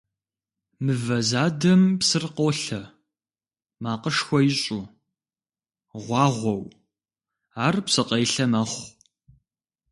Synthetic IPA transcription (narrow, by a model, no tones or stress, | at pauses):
mɨvɐzaːdɐmpsɨrqoɬɐ | maːqəʂxʷɔjɪɕʼuː | ʁʷɑːʁʷɔw | aːrpsɨqʼɐjɬɐmɐχʷ